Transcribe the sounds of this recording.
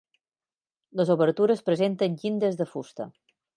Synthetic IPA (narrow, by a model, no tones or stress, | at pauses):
ləzoβəɾt̪uɾəspɾəzent̪ənʲʎind̪əzðəfust̪ə̰